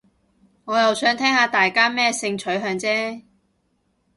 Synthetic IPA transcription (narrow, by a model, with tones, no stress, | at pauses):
ŋɔː˨˧jɐ˨wsœː˨˥ŋt̪ʰɛː˥ŋhaː˨˧t̪aː˨˩jkaː˥mɛː˥sɪ˧ŋt͡ʃʰɵ˨˥ɥɦœː˧ŋt͡sɛː˥